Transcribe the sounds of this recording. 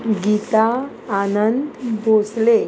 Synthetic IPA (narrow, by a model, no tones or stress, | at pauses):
ɡit̪aː | nənt̪bʱosle